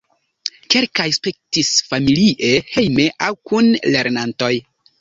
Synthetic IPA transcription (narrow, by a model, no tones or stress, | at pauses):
ke̞lkajspek̚tisfamiliʔe̞he̞jme̞ʔawkunle̞ɾnanto̞j